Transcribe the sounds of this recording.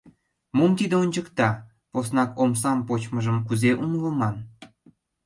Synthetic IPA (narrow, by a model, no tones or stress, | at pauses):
momt̪id̪eonʲt͡ɕəkt̪ɑ | posnɑkoms̬ɑmpot͡ɕməʒəmkuzeʔunləmɑn